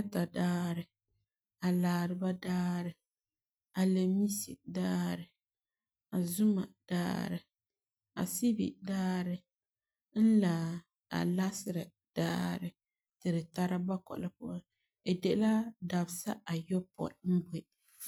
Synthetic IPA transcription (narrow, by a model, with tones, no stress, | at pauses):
a˦ta˨daː˦ɾɪ˨ | a˨laː˨ɾɨ˨ba˦daː˦ɾɪ˨ | a˨le˨mi˦si˨daː˦ɾɪ˨ | a˨zu˦ma̰˨d̥a̰ː˦ɾɪ˨ | a̰˨si˦bḭ˨daː˦ɾɪ˨ | n̩˦laː˨ | a̰˨la˦sɪ˦ɾɨ˨ | d̥aː˦ɾɪ˦˨ | tɨ˨ɾɨ˨ta˦ɾa˦ba˦kɔ̰˨la˨pɔ˦ | e˨dɛ˨ʔla˦da˨bsa̰˦a˨jɔ˦pɔ̰˨m̩˦be˦